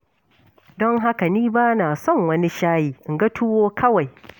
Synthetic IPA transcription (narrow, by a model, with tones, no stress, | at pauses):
dɔ˦ŋɦa˦ka˨niː˦baː˦naː˨sɔ˦˨ŋwɐ˦ni˦ʃaː˦jiː˨ʔɪ˨ŋɡɐ˦tʰʊ˦woː˦kʰɐ˦wa˨j